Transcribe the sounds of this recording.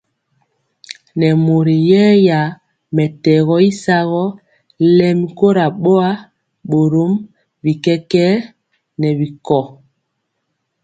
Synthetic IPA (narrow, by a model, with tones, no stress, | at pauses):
nɛ˨mo˨ɾi˨jɛ˦ja˨ | mɛ˨tɛ˨ɣɔ˦i˦sa˦ɣɔ˦ | lɛ˦mi˦ko˦ɾa˨ɓo˦a˦ | ɓo˨ɾo˦m | bi˨kɛ˦kɛ˦ | nɛ˨βi˨kɔ˨